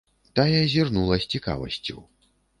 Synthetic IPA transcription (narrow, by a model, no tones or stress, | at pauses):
t̪ajɛzʲirnulˠɐsʲt͡sʲika̰vɐ̰sʲt͡sʲṵw